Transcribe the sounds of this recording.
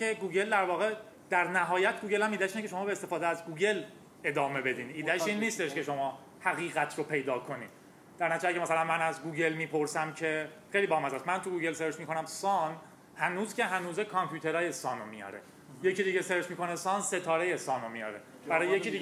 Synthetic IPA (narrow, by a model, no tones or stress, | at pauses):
e̞ɡuːɟe̞ld̪æɾvɒːɣe̞ | d̪̥æɾnæɦɒːjæt̪ʰɡuːɟe̞lhæmiːd̪æʃinecʰʲe̞ʃ̬o̞mɒːbeːst̪efɒːd̪eæzɡuːɟe̞l | ed̪ɒːme̞be̞d̪iːniːd̪æʃiːnːiːst̪eʃke̞ʃo̞mɒː | hæɣiːɣæt̪ʰɾopʰe̞jd̪ɒːkʰo̞nḭ̥ː | d̪̥æɾnæt̪it͡ʃæcʰemæsælænmænæzɡuːɟe̞lmiːpʰo̞ɾsæmcʰe̞ | xejlibɒːhemæzɒsmænt̪ʰuɡuːɟelseɾd͡ʒmiːkʰo̞næmsɒːn | hænuːzcʲʰe̞ɦænuːzekʰɒmpʰjuːt̪ʰe̞ɾɒːje̞sɒːnomijɒ̰ɾḛ | jecʰid̪iɟeseɾd͡ʒmiːkʰo̞nesɒːnset̪ʰɒːɾeje̞sɒːnomijɒ̰ːɾḛ | bæɾɒːjejeid̪i